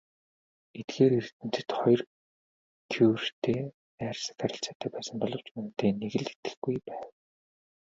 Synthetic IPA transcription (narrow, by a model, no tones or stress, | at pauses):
et̪ɡeːɾirt̪ɘ̆n̥t͡sɘ̆t̪χɔjr | kʰuwrrt̪ʰeː | æːrʲsə̥̆k̪aɾʲɪ̆ɬt͡saːt̪ʰæːpæːsə̆mpɔɮɞ̆w̥t͡ɕmunt̪eːneɣɘ̆ɮe̥t̪ɘ̥̆xɡujpæːw